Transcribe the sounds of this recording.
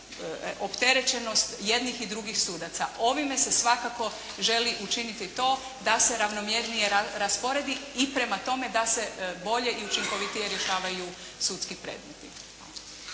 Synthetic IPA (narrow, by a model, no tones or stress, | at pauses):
ʔo̞pt̪e̞ɾe̞t͡ʃe̞no̞st̪je̞d̪nixid̪ɾuɡixsuːd̪at̪sao̞ʋime̞se̞sʋakako̞ | ʒe̞liʔut͡ʃinit̪it̪o̞ː | d̪ase̞ɾaʋno̞mjeɾnijeaɾaspo̞ɾe̞d̪iipɾe̞mat̪o̞me̞d̪ase̞bo̞ʎe̞ʔiut͡ʃiŋko̞ʋit̪ije̞ɾjeʃaːʋaju | sut̪skipɾe̞̰ːd̪met̪i